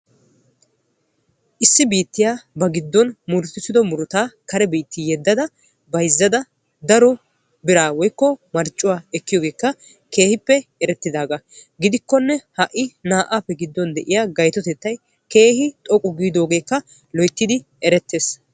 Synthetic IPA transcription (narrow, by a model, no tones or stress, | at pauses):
ʔɪsːɪbiːt̪ːɪjaːbɐɡɪd̪ːɔnmʊɾt̪ːɪt̪ːɪd̪ɔmʊɾʊt̪aːkɐɾɛbiːt̪ːɪjɛd̪ːɐd̪ɐ | bɐjzːɐd̪ɐ | d̪ɐɾɔ | bɪɾaːwɔjkːɔmɐɾt͡ʃʼːʊwaːɛkːɪjoːɡe̞ːkːɐ | ke̞ːhɪpːɛɛɾɛt̪ːɪd̪aːɡɐ | ɡɪd̪ɪkːɔnːɛhɐʔːɪnaːʔaːpːɛɡɪd̪ːɔnd̪ɛʔɪjaːɡɐjt̪ɔt̪ɛt̪ːɐj | ke̞ːhɪt̪ʼɔkʼʊɡiːd̪o̞ːɡe̞ːkːɐ | lɔjt̪ːɪd̪ɪ | ɛɾɛt̪ːe̞ːs